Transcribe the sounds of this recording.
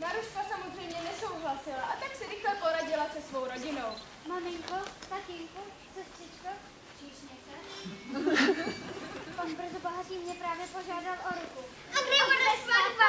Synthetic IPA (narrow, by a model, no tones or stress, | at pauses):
maɾuʃkasamozrɛjmɲɛnɛsowɦlasɪlaʔat̪aksɪɾɪxlɛpoɾaɟɪlasɛsvowɾoɟɪnow | mamɪŋkot̪acɪŋko | sɛst̪r̥ɪt͡ʃka | t͡ʃiʃɲɛkɛ | panbr̩zopoɦariːmɲɛpɾaːvjɛpo̞ʒaːdalʔoɾʊku | aɡɾɛonɛsmava